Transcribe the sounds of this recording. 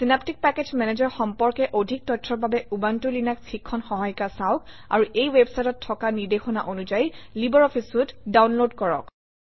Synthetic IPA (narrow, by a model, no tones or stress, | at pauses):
sinaptik̚pɛkezmɛned͡ʒɔɹxɔmpɔɹkɛʔodʱik̚tɔtʰɹɔɹbabɛubantulinaksʰikʰːɔnxɔɦajkasaʊka̰ɹuʔejwebsajtɔtʰːɔkaniɹdexɔna̰ʔonuzajlibɔɹɔpʰisʊtdawnlodkɔɹɔ̰k